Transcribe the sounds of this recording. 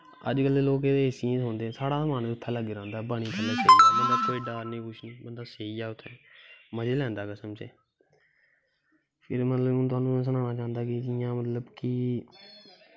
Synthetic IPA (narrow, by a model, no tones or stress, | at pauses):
ə̰d͡ʒkəlːeːloːkeːd̪eːɪsĩɦoːnd̪eːɛ̃ːsaːɽaːzəmaːnd̪ʊt̪ʰːɛ̃ːləɡeːɾãːnd̪aːbaːɽ̃iːkʰəlːaːseiaːbənd̪aːkoːiːɖaːɾnĩːkʊʃʰniːbənd̪aːseːiːɛːʊt̪ʰːɛ̃ːməd͡ʒeːlɛ̃ːnd̪aːkəsəmt͡ʃeː | pʰɪɾmət̪ləbnt̪̬ʊaːnũːs̬ənãːnaːt͡ʃaːənd̪aːkɪd͡ʒɪjãːmət̪ləbkɪ